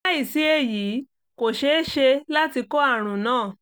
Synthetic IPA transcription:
i˦˨si˨˦e˧jiː˨˦ | ko˨ʃe˨˦ʃe˧la˦ti˧kɔ˦a˦˨ɾ̃ũ˨nãː˦˨

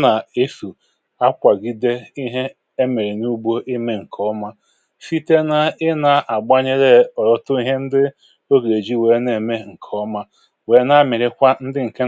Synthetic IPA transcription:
na˨e˦fu˨ | a˦kʷa˨ɡi˦de˦i˦ɦe˦ | e˦me˨ɾe˨nu˦bo˦ʔi˦me˦ŋ̩˨kʰɔ˦ma˦ | fi˦te˦na˦ɪ˦na˨ʔa˨ɡ͡ba˦ɲe˦ɾe˦ɔ˨ɾɔ˦tʊ˦i˦ɦe˦n̩˦dɪ˦ | o˦ɡe˨d͡ʒi˦we˨˦ne˨me˦ŋ̩˨kʰɔ˦ma˦ | we˨˦na˦˨mɪ˨ɾɪ˦kʷa˦n̩˦dɪ˦ŋ̩˨ke˦

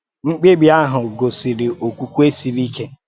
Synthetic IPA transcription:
ŋ͡m̩˦k͡pe˦ɡ͡bja˦ɦʊ˨ɡo˨si˨ɾi˨ʔo˨kʷu˦kʷu˦e˦si˨ɾi˦ke˦

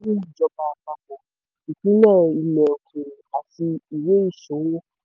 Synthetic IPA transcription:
ũ˦˨d͡ʒɔ˧ba˧ka˧kɔ˧ | i˨k͡pĩ˦nãː˦˨i˧mɛ̃˨kũ˨a˨ti˧i˨we˦i˦˨ʃõ˨˦wo˦

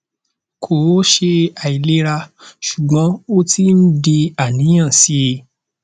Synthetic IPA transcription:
kʰo˨˦ʃe˧a˨i˨le˧˦ɾa˧ʃu˨ɡ͡bɔ̃˨˦o˦ti˦n̩˦di˧a˨nĩ˨˦j̃ã˦˨si˨˦˧

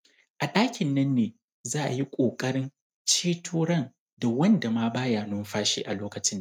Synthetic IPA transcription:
ʔa˨ɗaː˦kʲɪ˨nːɐ˦nːeː˨ | zaː˦ʔa˨ji˦kʷʼoː˨kʼɐ˦ɽɪ˦n | t͡ʃeː˦tʰuː˦ɽɐ˦˨n | da˨wɐ˦nda˨maː˦baː˦jaː˨nʊ˦mɸaː˦ʃḭː˦ʔa˨loː˦kɐ˨t͡ʃɪ˦nː˨

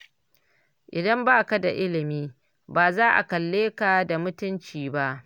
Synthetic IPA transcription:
ʔɪ˨dɐ˦mbaː˦˨ka˦da˨ʔɪ˦lɪ˨miː˦ | baː˨zaː˦ʔa̰˨kɐ˨lːeː˦ka˨da˨mʊ˦tʊ˦nt͡ʃiː˨ba˦ʔ

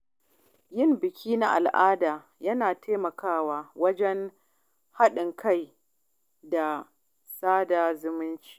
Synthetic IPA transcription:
jɪ˦˨mbɪ˨kʲiː˦na˦ʔa̰˨lʔaː˦daː˨ | jɐ˦naː˨teː˦mɐ˨kaː˦waː˨wɐ˦d͡ʒɛ˦n | ha˦ɗɪ˨ŋkʰa˦˨j | da˨ | saː˦da˨zʊ˦mɪ˦nt͡ʃi̥ː˦

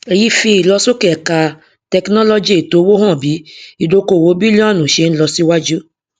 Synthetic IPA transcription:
e˨ji˦fi˧i˨lɔ˧so˦kɛ˨ka˧ | tɛ˧knɔ̃˦lo˧d͡ʒi˦e˨to˨˦wo˦ɦɔ̃˦˨bi˨˦i˦˨do˧ko˨wo˨˦bi˦li˦ã˦˨nũ˨ʃe˧˦ñ̩˦lɔ˧si˦wa˦d͡ʒu˦

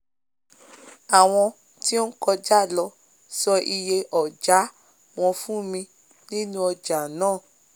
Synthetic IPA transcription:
a˨w̃ɔ̃˧ | ti˦o˦n̩˦kɔ˧d͡ʒa˦˨lɔ˧ | sɔ˧ʔi˧je˧ʔɔ˨d͡ʒa˨˦ | w̃ɔ̃˧fũ˦mĩ˧ | nĩ˦nũ˦ɔ˧d͡ʒa˨nãː˦˨

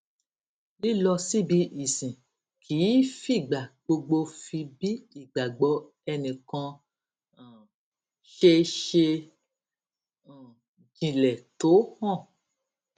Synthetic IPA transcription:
li˦lɔ˧si˦bi˧˦ʔi˨sĩ˨ | kʰiː˨˦fi˦˨ɡ͡ba˨ɡ͡bo˧ɡ͡bo˧fi˧bi˦i˦˨ɡ͡ba˨ɡ͡bɔ˧ | ɛ˧nĩ˨kã˧˨ | ʃe˧ʃe˧˨ | d͡ʒĩ˨lɛ˨to˨˦hɔ̃˦˨

